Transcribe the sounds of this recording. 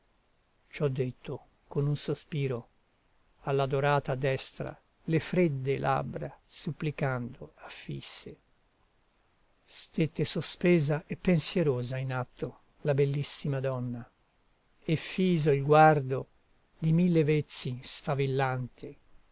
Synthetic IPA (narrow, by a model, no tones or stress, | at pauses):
t͡ʃɔd̪ːet̪ʰːo | konunsospiːɾo | alːad̪oɾaːt̪ad̪ɛst̪ɾa̰ | lefɾed̪ːelʔa̰bɾasupːlikand̪oafːḭsːe | st̪et̪ːesospeːzaʔepːensjɛɾoːzainat̪ʰːo | labelːisːimad̪ɔnːa | efːiːzoilɡward̪o | d̪imilːevet̪sːinsfavilːant̪ʰe